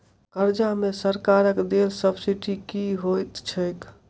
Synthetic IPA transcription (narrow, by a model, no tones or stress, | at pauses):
kəɾd͡ʒamesəɾkaɾəkd̪elsəbsiʈikiɦojt̪t͡ʃʰəjk